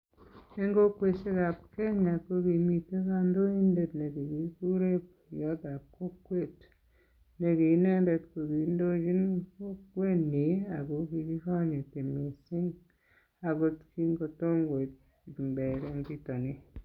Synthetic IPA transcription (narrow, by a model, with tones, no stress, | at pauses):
e˦ŋɡo˦kwe˨se˦ɣa˨pke˦ɲa˨ko˦ki˨mi˨te˦ka˦ndo˦i˦nde˨tne˨ki˨ki˨˦ku˦ɾe˦p | jɔ˦ta˨ko˦kwe˦˨t | ne˨ki˨ne˦nde˨tko˨ɡi˨ndo˦d͡ʒi˦nko˦kwe˦ne˨a˨ko˨ki˨ki˦ka˦ɲe˨te˨me˨si˦ŋ | a˨ko˦tki˦ŋɡo˧to˦ŋɡwe˨t | mbe˨ɾe˦ŋɡi˦to˨ni˦